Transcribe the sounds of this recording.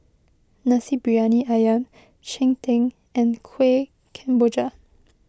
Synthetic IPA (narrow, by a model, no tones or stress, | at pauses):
nasibɹianiʔajãm | t͡ʃɛ̃ŋtʰɛ̃ŋ | ɛ̃nkʰwe | kʰɛ̃mbod͡ʒa